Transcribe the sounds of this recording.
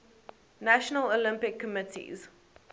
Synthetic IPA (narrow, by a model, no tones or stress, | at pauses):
næʃənəlolɪ̃mpɪkʰːəmɪtʰḭz̥